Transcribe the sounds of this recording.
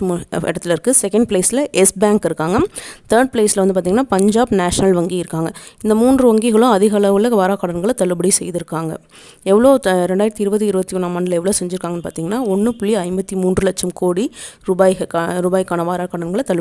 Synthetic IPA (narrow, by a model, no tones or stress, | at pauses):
ɛ̰ɽɐt̪ːɪlɪɾɯkːɯsɛkɐɳɖ̚pɭeːsɪlɐʔɛsbaːŋkɪɾɯkːaːŋɡɐt̪ɐːɾɖ̚pɭeːsɪlɐʋɐnd̪ɯp̬aɾt̪iŋɡɐnːaːpɐɲd͡ʒaːbnaːʂɐnɐlʋɐŋɡiɪɾɯkːaːŋɡɐɪnd̪ɐmuːndrɯʋɐŋɡiɣɐɭʊ̃ɐðɪɣɐɭɐʋɯlɐʋaːɾaːkɐɽɐnɡɐɭɐt̪ɐɭɯbɐɽisɛjðɪɾɯkːaːŋɡɐ̰ | ɛʋːɐɭoːɾɛɳɖaːjɪɾɐt̪ːiɪɾɯbɐt̪ːiɪɾɯbɐt̪ːiɔnːaːmɐnɖɪlɛʋːɐɭoːsɛɲd͡ʒɪɾɯkːaːŋɡɐnːɯpaːɾt̪iːŋɡɐnːaːɔnːɯpʊɭːiɐɪmbɐt̪ːimuːndrɯlɐt͡ʃːɐmkoːɽiɾuːbaːjɐkːɾuːbaːjɪkːaːnɐʋaːɾaːkɐɽɐnɡɐɭt̪ɐɭ